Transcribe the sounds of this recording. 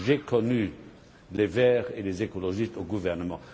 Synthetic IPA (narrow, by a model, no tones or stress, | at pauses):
ʒekʰɔny | levɛːʁelezekolɔʒistoɡuvɛʁnəmɑ̃